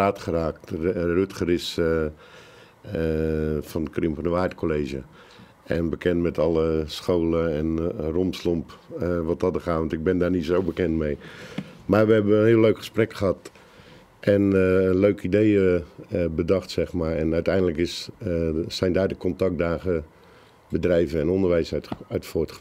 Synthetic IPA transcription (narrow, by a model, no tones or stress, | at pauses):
aːtχəraːktrytχərɪs | fɔndəkrɪmfɔrnəʋajtkʰoleːʒə | ɛnbəkʰɛntmɛtʰɔləsxoːləɛnromslompʋɔt̚dɔt̚ərxaːɔntɪɡ̚bɪndarnizowbəkɛntmejmarʋəɦɛbəənɦiəlːøɥkχə̥sprɛkχəhɑt | ʔɛnənløɥkəidejəbədɑxtsɛxmaːrɛnœɥtɛjndələkɪs | sɛjndaːrdəkɔntak̚daːɣə | bədrɛjvəɛnɔndərʋɛjsœɥtfoːt